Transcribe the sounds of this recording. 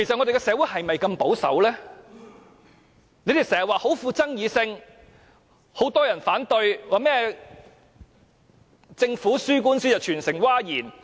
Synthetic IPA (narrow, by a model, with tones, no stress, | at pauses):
kʰe˨˩jsɐt̚ŋɔ˨˧d̪e˨kɛ˧sɛː˨˧˥wuː˨˥jhɐ˨jmɐ˨jkɐ˧mpo˨˥wsɐ̰˨˥wlɛː˥ | ne˨˧˥t̪e˨sɛː˨˩hɐ˨waː˨˧ho˨˥wfuː˧t͡sɐ˥ŋjiː˨˧sɪ˧ŋ | ho˨˥wt̪ɔː˥jɐ˨˩nfaː˨˥nt̪ɵ˧ɥwaː˨˩mɛː˥ɛ | t͡sɪ˧ŋfuː˨˥syː˥k̬uː˥nsiː˥jɐ˨˩wt͡ʃʰyː˨˩nsɪ˨˩ŋwaː˥jiː˨˩n